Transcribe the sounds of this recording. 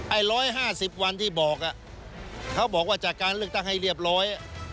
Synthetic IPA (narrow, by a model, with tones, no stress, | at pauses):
ʔa˧˩jɾɔː˦˥jɦaː˥˩si˨˩p̚wa˧nt̪ʰiː˥˩bɔː˨˩k̚ʔa˨˩ʔ | kʰa˦˥wbɔː˨˩k̚waː˥˩t͡ɕaː˨˩kaː˧nlɯ˥˩ək̚t̪a˥˩ŋha˥˩jɾi˥˩əp̬̚ɾɔː˦˥jʔa˨˩